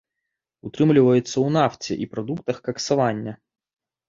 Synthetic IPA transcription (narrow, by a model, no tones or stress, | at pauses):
ʊt̪ɾɨmlʲɪvəjʊt̪sːəʊnaftʲɪ̰ʔipɾɐd̪uk̚t̪əxkɐksɐvanʲːɐ